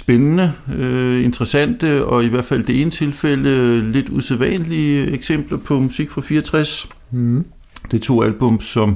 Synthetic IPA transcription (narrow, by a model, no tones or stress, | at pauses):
sb̥enənəøe̝nd̥ʁɐsæn̰d̥əɒ̽iʋæɐ̰̥fæl̰d̥e̝e̝nət͡sʰe̝lfel̰əle̝d̥useðˠʋɛnliəeɡ̥sem̰b̥lɐpʰɒ̽musiɡ̥fʁɑ̈fiːɐɒt͡sʰʁas | d̥et͡sʰo̝̰ːælb̥ɔ̽msɒ̽m